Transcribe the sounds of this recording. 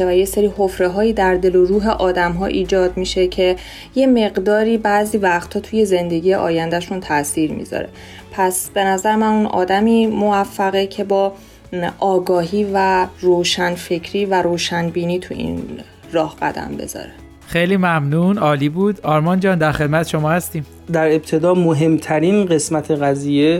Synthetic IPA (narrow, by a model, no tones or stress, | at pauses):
væjeseɾiːho̞fɾe̞ɦɒːjiːd̪æɾd̪e̞loɾuːɦe̞ʔɒːd̪æmɦɒːʔiːd͡ʒɒːd̪miʃe̞cʰe̞ | je̞me̞ɣd̪ɒːɾiːbæziːvæxt̪hɒːt̪ʰuje̞ze̞nd̪eɟiːjeʔɒ̰ːjænd̪æʃunt̪ʰæsiːɾmḭzɒ̰ɾe̞̰ | pʰæsb̥e̞næzæɾemænunɒ̰ːd̪æmiːmo̞væfːæɣecʰe̞bɒː | ʔɒːɡɒːɦiːværoːʃænfe̞cʰɾiːvæɾoːʃænbiːniːt̪ʰuḭn | rɒːhb̥æ̰d̪æ̰nbe̞̰zɒ̰ːɾe | xejliːmæmnuːnɒːliːbuːd̪ɒːɾmɒnd͡ʒɒːnd̪æɾxe̞d̪mæt̪ʰe̥ʃomɒːhæst̪iːm | d̪æɾe̞b̚t̪ʰe̞d̪ɒːmoɦe̞mt̪ʰæɾinɢe̞smæt̪ʰe̞ɣæziːje